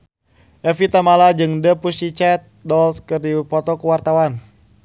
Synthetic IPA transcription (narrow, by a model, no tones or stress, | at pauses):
ʔɛfit̪amalad͡ʒɨŋdəpusit͡ʃɛt̪̚dɔlskɨrdipɔt̪ɔkuwart̪awan